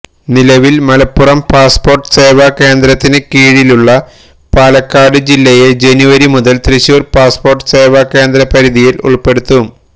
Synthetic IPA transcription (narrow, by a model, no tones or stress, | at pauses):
nilɐʋilmɐlɐpːurɐmpaːspo̞ːrʈɨ̥se̞ːʋake̞ːnd̪ɾɐt̪ːinɨkiːɻiluɭːɐ | paːlɐkːaːɽɨd͡ʑilːɐjed͡ʑe̞nuʋɐɾimuðɐlt̪riɕuːrpaːspo̞ːrʈɨ̥seːʋake̞ːnd̪ɾɐpɐɾiðijilṵɭpe̞ɽut̪ːu